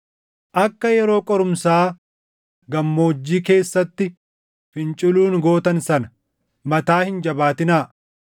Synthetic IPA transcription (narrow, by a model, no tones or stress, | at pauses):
ʔɐkːɐjɛɾo̞ːkʼɔɾʊmsaː | ɡɐmːo̞ːd͡ʒːiːke̞ːsːɐt̪ːɪ | fɪnt͡ʃʼɪluːnɡo̞ːt̪ɐnsɐnɐ | mɐt̪aːhɪnd͡ʒɐbaːt̪ɪnaː